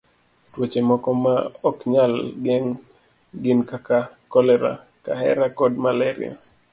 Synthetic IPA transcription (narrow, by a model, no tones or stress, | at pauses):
twot͡ʃemɔkɔmaɔkɲalɡɛŋ | ɡɪnkakakɔlɛɾa̰ | ka̰hɛ̰ɾakɔdmalɛɾɪ̰a̰